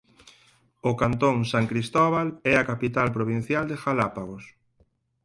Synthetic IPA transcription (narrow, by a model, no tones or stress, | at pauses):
ʊkant̪õŋsaŋkɾist̪ɔβalɛakapit̪alpɾoβ̞in̟θjald̪exalapaɣos